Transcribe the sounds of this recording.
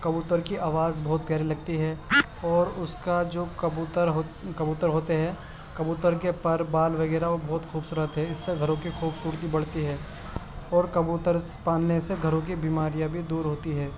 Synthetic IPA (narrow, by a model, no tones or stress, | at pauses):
kɐbuːt̪əɾkiʔaːʋaːzbɔːʊt̪̚pjaːɾilɐɡ̚t̪iɦɛ | ɔːɾʊskad͡ʒoːt̪əɾɦkɐbuːt̪əɾɦoːt̪eɦɛ | kɐbuːt̪əɾkepɐɾbaːlʋɐɣɛːɾaobɔːt̪xuːbsuːɾət̪ɦɛɪsːeɡʱɐɾõkixuːbsuːɾt̪ibɐɽ̤t̪iɦɛː | ɔːɾkɐbuːt̪əɾspaːnneseɡʱɐɾõk̬ibiːmaːɾijãbʱid̪uːɾɦoːt̪iɦɛː